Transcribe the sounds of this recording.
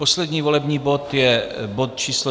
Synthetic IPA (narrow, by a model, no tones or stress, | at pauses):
poslɛd̪ɲiːvo̞lɛbɲiːbo̞t̪jɛbot̪̚t͡ʃiːslo